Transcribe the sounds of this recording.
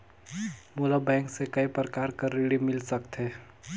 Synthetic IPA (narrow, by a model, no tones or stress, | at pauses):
moːlabɛ̃ːŋksekɐipɾəkaːɾkəɾːiɽimɪlsəkt̪ɦeː